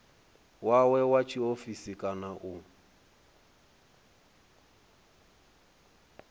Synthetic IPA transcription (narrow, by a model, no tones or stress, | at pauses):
wawɛwat͡ʃʰiofisikʼanaʔʊ